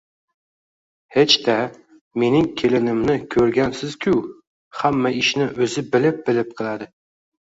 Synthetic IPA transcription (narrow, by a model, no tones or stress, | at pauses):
het͡ʃt̪a | me̞nɪŋkʲʰe̞lɪnɪmnɪkʲʰɵɾɡʲansɪz̥kʲʰʊw | hamːaɪʃnɪʔɵzɪbɪlɪp̚bɪlɪp̚qʰɨlˠad̪ɪ